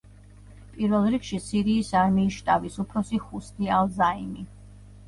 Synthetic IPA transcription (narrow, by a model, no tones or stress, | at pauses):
pʼiɾvɛlˠɾikʃisiɾiːsaɾmiːʃt̪ʼavisupʰɾɔsiχust̪ialˠzaimi